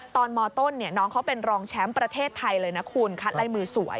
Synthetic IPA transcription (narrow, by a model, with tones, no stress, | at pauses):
t̪ɔː˧nmɔː˧t̪o˥˩nːi˥˩ɐnɔː˦˥ŋkʰa˦˥wpe˧nɾɔː˧ŋt͡ɕʰɛ˦˥mpɾa˧t̪ʰeː˥˩t̪ʰːa˧jlɤː˧jna˦˥kʰuː˧nkʰa˦˥t̪̚la˦˥jmɯː˧su˨˩˦əj